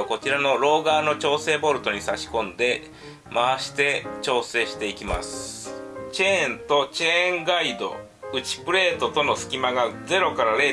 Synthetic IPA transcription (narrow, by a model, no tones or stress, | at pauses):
ko̞t͡ɕiɾano̞ɾo̞ːɡaːno̞t͡ɕo̞ːse̞ːbo̞ɾɯ̟t̪o̞ɲ̟isaɕi̥kõ̞nd̪e̞ | maβaɕi̥t̪e̞t͡ɕo̞ːse̞ːɕi̥t̪e̞ikʲima̰sɨ̥t͡ɕẽnt̪o̞t͡ɕẽŋɡaid̪o̞̰ | ɯ̟t͡ɕi̥pɯ̟ɾe̞ːt̪o̞t̪o̞no̞sɨ̥kʲimaɡad͡ze̞ɾo̞kaɾaɾe̞ː